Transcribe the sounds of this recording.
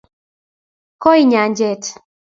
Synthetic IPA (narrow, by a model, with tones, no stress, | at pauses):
kɔ˦i˦ɲa˨ɲd͡ʒɛ˦˨t